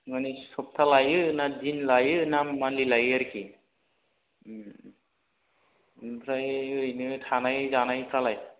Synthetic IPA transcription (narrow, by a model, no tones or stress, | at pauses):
manisɔp̚tʰalajɯnadinlajɯnamanlilajaɾki | pʰɾajɯinɯtʰanajzanajpʰɾalaj